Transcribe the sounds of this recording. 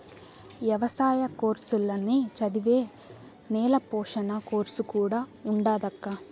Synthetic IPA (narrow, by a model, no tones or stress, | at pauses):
ʋjɐʋɐsaːjɐko̞ːɾsulːɐnːit͡ʃɐd̪iʋe̞ː | nɛːlɐpɔːʂɐnɐko̞ːɾsukuːɽaːuɳɖaːd̪ɐkːɐ